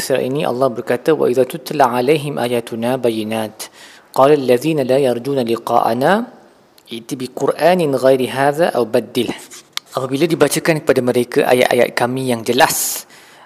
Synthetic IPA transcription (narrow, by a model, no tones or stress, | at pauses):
sa̰ʔiniʔɑ̰lːɑhbərkat̪awa̰ʔiðat̪ʊt̪laʕalajɦɪmʔa̰ːjaːt̪ʊnabajɪnaːt̪ | qɑːlʔalːaðiːnalaːjɑɾˤd͡ʒuːnalɪqɑ̰ːʔa̰na | ʔɪʔt̪ibiqʊɾʔaːnɪnɣajɾiɦaːðaʔawbad̪ːɪlʔapabiladibat͡ʃakankə̥padaməɾekaʔa̰ja̰ʔa̰ja̰t̪̚kamijaŋd͡ʒəlas